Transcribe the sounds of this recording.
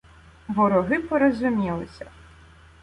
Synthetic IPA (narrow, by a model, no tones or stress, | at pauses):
ʋɔɾɔɦɪpɔɾɔzʊmʲilˠɪsʲɐ